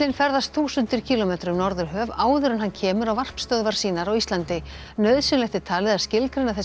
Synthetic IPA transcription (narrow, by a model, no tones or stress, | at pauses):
ɪnfɛɾðast̪θuːsʏnt̪ɪɾ̥cʰiːlɔmeːt̪ɾʏmnɔɾðʏɾɦœːvaːwðʏɾɛnɦancʰɛːmʏɾawvar̥pst̪œðvaɾ̥siːnaɾawist̪lant̪ɪ | nœɥðsʏnlɛht̪ɪt̪ʰaːlɪðḁscɪlkɾɪnːaθɛ